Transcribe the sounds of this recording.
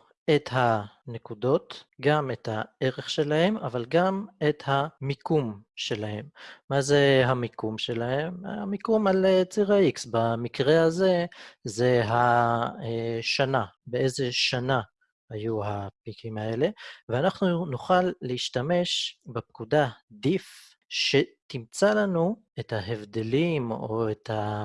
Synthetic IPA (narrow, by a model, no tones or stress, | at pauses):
et̪ɦane̞kudo̞tɡamet̪hae̞ʁeχʃe̞lahe̞mavalɡame̞t̪hamikumʃe̞lahe̞mːazeɦamikumʃe̞lahe̞mamikumalet͡siʁaiksbamikʁe̞haze̞ze̞ɦaeʃanabeeze̞ʃana | hajuɦapikʰimae̞le̞veanaχnunuχalːeiʃtame̞ʃbep̚kud̪ad̪if | ʃe̞t̪imt͡salanu | ethaɦevd̪e̞limo̞et̪ha